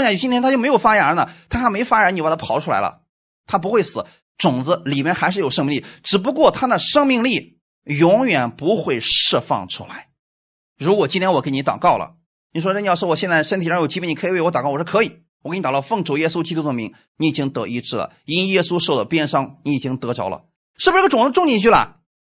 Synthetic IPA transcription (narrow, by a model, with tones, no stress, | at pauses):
jt͡ɕi˥njɛ˥t̪ʰa˥jo˥˩m˧˥jo˨˩ʊfa˥ja˧˥nə˧t̪ʰa˥xa˧˥me˧˥ɪ˧fa˥ɻə˧˥ni˨˩pa˨˩t̪ʰa˥pʰɑ˧˥ʊʈ͡ʂʰu˥la˧˥ɪlə̰˧ | t̪ʰa˥p̬u˧˥xwe˥˩ɪsɹ̩˨˧˦ | ʈ͡ʂʊ˨˩ŋd͡zɹ̩˧li˨˩mjɛ˥˧nxa˧˥ɪʂɻ̩˥˩jo˨˩ʊʂɤ˥˧ŋmi˥˧li˥˩ʈ͡ʂɻ̩˨˩p̬u˧˥kwɔ˥˩t̪ʰa˥d̪ə˨ʂɤ˥ŋmi˥˧ŋli˥˩ | jʊ˧˥ŋjɥɛ˨˩npu˧˥xwe˥˧ɪʂɻ̩˥˧fɑ̰˥˩ŋʈ͡ʂʰṵ˥la˧˥ɪ | ɻu˧˥kwɔ˨˩t͡ɕi˥nt̪ʰjnwɔ˨˩ke˥˩ni˧˥t̪ɑ˨˩ʊkɑ˥˩ʊlə̰˩ | ni˨˩ʂwɔ˥ʈ͡ʂi˧˩jʂwɔ˥wɔ˨˩ɕjɛ˥˧nt͡sa˥˩ɪʂə˥nt̪ʰo˨˩t͡ɕi˧˥pɛ˧˥˩n˧kʰi˧wwt̪kɑ˥˩˨wɔ˩ʂ̩˥˩kʰɤ˧˥i˨˩˦ | wn˧t̪kɑ˥˧fɤ˥˩ŋʈ͡ʂu˨˩jɛ˥su˥t͡ɕi˥t̪u˥d̪ə˨mi˧˥ŋ | ni˧˥i˨˩t͡ɕi˥ŋt̪ɤ˧˥i˧˥ʈ͡ʂɻ̩˥˩lə̰˩i˥nwjɛ˥su˥ʂo˥˧ʊd̪ə˨˩pjɛ˥nʂɑ˥ŋni˧˥i˨˩t͡ɕi˥ŋt̪ɤ˧˥ʈ͡ʂɑ˧˥ʊlə̰˧˦ | ʂɻ̩˥˩bʂɻ̩˥ə˩ʈ͡ʂʊ˨˩ŋd͡z̩˧ʈ͡ʂʊ˥˧ŋt͡ɕi˥˧nt͡ɕʰy˥˩lə̰˩